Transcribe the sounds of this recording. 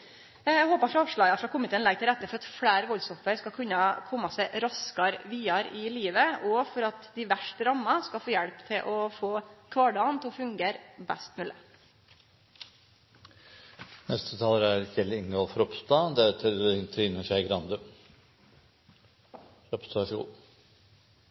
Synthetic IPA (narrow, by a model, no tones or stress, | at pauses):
æhoːpɑɾfɾɑɑːʋʂɭɑːɡɑfɾɑkʰʊmːɪt̪ʰeːənlɛɡ̚t̪ɪlɾɛt̪ːəfɔɾɑt̪fɽæːɾʋɔlsɔfəɾskɑlkʰʉnːɑkʰɔmːɑsæɪɾɑskɑɾʋiːɑɾɪliːʋəɔfɔɾɑt̪d̪ɪʋæʂʈəɾɑmːɑskɑlfoːjæɽpt̪ʰɪlʔɔfoːkʰʋɑːɖɑːnt̪ʰɔfʉŋɡeːɾbæ̰st̪mʉːlə | nɛst̪ʰət̪ʰɑːləɾæɾçɛlɪŋɡoːlfɔɾɔpst̪ɑd̪ɛt̪ʰəɾɪnt̪ʰɾiːnəʂæɪɡɾɑnd̪ə | ɔpst̪ɑsṵːl